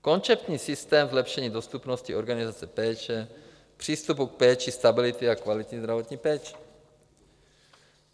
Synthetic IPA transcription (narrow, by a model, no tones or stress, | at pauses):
ko̞nt͡sɛpt̪ɲiːsɪst̪ɛːmzlɛpʃɛɲiːdost̪upnoscio̞ɾɡanɪzat͡sɛpɛːt͡ʃɛ | pr̥iːst̪up̬uk̚pɛːt͡ʃɪst̪abɪlɪt̪ɪakvalɪt̪ɲizd̪ɾavo̞t̪ɲiːpɛːt͡ʃɛ̥